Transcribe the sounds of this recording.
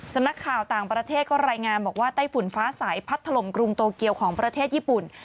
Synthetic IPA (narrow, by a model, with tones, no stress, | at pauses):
sa˧mna˦˥kʰːaː˨˩wt̪aː˨˩ŋpɾa˧t̪ʰeː˥˩t̪̚kɔː˥˩ɾaː˧jŋaː˧nbɔː˨˩k̚waː˥˩t̪aː˥˩jfu˨˩˦nfaː˦˥saː˩˦jpʰa˦˥t̪ʰːa˧lo˨˩mkɾu˧ŋt̪oː˧ki˧əwkʰɔː˩˦ŋpɾa˧t̪ʰeː˥˩t̪̚jiː˥˩pu˨˩n